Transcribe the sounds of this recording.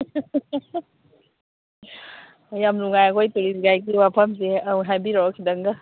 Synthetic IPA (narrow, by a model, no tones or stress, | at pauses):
jamluŋajakɔjtuɾisɡajk̬iwapʰamseawɦabiɾɔkʰidaŋɡa